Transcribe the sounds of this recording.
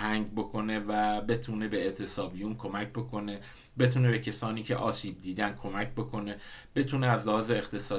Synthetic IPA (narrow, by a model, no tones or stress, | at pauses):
hæŋɟbo̞kʰo̞ne̞væbe̞t̪ʰuːne̞be̞et̪ʰe̞sɒːbijunkʰo̞mæcbo̞kʰo̞ne̞ | be̞t̪ʰune̞be̞cʰesɒːniːcʰe̞̰ʔɒːsiːb̚d̪iːd̪ænkʰo̞mæcʰbokʰo̞ne̞b̥e̞t̪ʰuːneæzlæhɒːzeːxt̪ʰe̞sɒː